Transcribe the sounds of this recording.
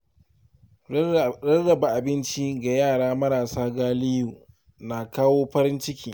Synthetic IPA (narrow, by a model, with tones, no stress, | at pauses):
ɾɐ˦ɽːɐ˨ba˨ʔa˨bɪ˦nt͡ʃi˦ɡa˨jaː˦˨ɽaː˦mɐ˦ɾaː˨saː˦ɡaː˦lɪ˦juː˨ | naː˨kaː˦woː˦ɸɐ˦ɾɪ˦nt͡ʃɪ˦kʲiː˨